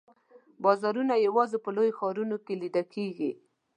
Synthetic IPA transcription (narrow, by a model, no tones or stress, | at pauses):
bɑzɑɾunajawɑzepəlojoxɑɾunokelid̪akʰeɡi